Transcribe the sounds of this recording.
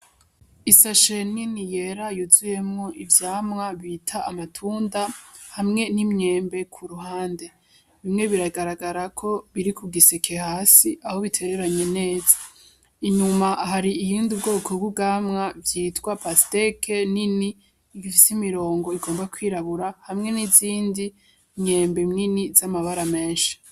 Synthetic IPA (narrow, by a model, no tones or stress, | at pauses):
isaʃeninije̞ɾajuzuje̞mŋo̞ʔivjaːmŋaβitʰaːmatʰuːndahamŋe̞nimɲe̞ːmbe̞kʰuɾuɦaːnde̞ | βimŋe̞βiɾaɡaɾaɡaɾakʰo̞βiɾikuɡisekʰe̞haːsiaho̞βitʰe̞ɾe̞ɾaɲe̞ne̞ːza | iɲumaʔɦaɾiːjiːndiubɡo̞ːkʰo̞bɡuɡamŋavjiːtkwapastekʰeniniː | ɡifisimiɾo̞ːŋɡo̞iɡo̞ːmbakwiːɾaβuɾahamŋe̞niziːndi | mɲe̞ːmbemninizamaβaɾame̞ːnʃḁ